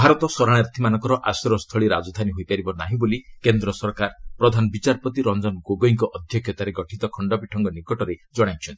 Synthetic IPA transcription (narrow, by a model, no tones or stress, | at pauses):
bʱaɾɔt̪ɔsɔɾaɽ̃aɾt̪ʰimanɔŋkɔɾɔʔasɾɔst̪ʰɔɭiɾad͡ʒɔd̪ʱaniɦojpaɾibɔnaɦĩbolikend̪ɾɔsɔɾkaɾpɾɔd̪ʱanɔbit͡ʃaɾpɔt̪iɾɔnd͡ʒɔnɡoɡoiŋkɔʔɔd̪ʱjɔkʰjɔt̪aɾeɡɔʈʰit̪ɔkʰɔɳɖɔpiʈʰɔŋɡɔnikɔʈɔɾed͡ʒɔɽ̃ajt͡ʃʰɔnt̪i